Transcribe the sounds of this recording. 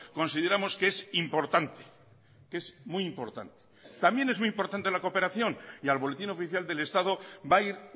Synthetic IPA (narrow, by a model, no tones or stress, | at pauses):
ko̞nsið̞e̞ɾamo̞ske̞simpo̞ɾt̪ant̪e̥ | ke̞zmujimpo̞ɾt̪a̰nt̪e̥t̪ambje̞ne̞zmujimpo̞ɾt̪ant̪e̞lako̞pe̞ɾaθjo̞nialβo̞let̪ino̞fiθjald̪e̞le̞st̪aðo̞baiɾ